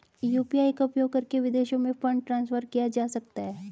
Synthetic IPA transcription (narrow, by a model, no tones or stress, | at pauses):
juːpiaːikaʊpjoːɡ̚kɐɾkeʋɪd̪eːʃõmẽfɐ̃ɳɖ̚ʈɾãːnsfəɾkijad͡ʒaːsɐkt̪aɦɛː